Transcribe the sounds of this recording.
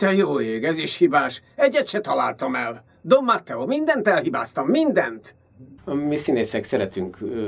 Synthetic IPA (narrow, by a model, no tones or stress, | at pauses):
t̪ɛjoːeːɡɛziʃhibaːʃɛɟːɛt̪ʃɛt̪ɒlaːlt̪ɒmɛl | d̪omːat̪ːɛomind̪ɛnt̪ɛlhiba̰ːst̪ɒmːind̪ɛnt̪ | ɒmisineːsɛksɛɾɛt̪yŋk